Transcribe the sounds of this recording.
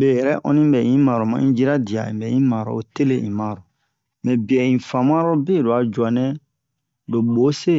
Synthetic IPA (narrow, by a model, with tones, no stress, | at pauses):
bɛ˨jɛ˨ɾɛ˦ʔɔ̰̃˦nĩ˦bɛ˨ĩ˦ma˨ɾo˨mã̰˨˦ĩ˦d͡ʒi˦ɾa˦di˨a̰˨ḭ̃˨bɛ˨ĩ˦ma˨ɾɔ̰˨o˨te˦le˦ĩ˨ma˨ɾɔ˨ | mɛ̃˨bi˨ɛ˨ĩ˨fã˨mã˦ɾɔ˦bɛ˦˨do˨a˨d͡ʒu˨a˨nɛ̃˦ | do˨bo˨˦se˦